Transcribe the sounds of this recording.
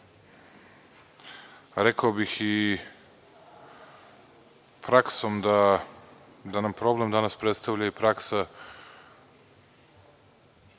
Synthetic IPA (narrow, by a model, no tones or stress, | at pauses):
ɾekaobixi | pɾaksomd̪a | d̪anampɾo̞ble̞md̪anaspɾet̪st̪aʋʎaipɾaksa